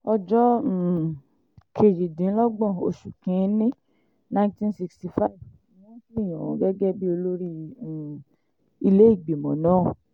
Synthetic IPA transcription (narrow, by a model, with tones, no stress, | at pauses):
ɔ˧d͡ʒɔ˦˨ | kʰe˨d͡ʒi˨dĩ˨˦lɔ˦ɡ͡bɔ̃˦˨o̰˧ʃu˨kĩ˨˦nĩ˦ | nã˧˦ĩ˦tĩ˦nsi˧ksti˧fa˦i˦˨v | wã˦ki˦i˦˨j̃ã̰˨wɔ̃˨˧˦ɡɛ˦ɡɛ˦bi˦o˧lo˦ɾĩ˦˨ | i˧le˦i˦˨ɡ͡be˨mɔ̰̃˨nãː˨˦˨